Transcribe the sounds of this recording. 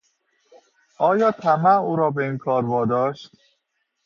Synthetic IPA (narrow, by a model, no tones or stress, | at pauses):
ɒːjɒːt̪ʰæmæuːɾɒːbeiːnkʰɒːɾvɒːd̪ɒːʃt̪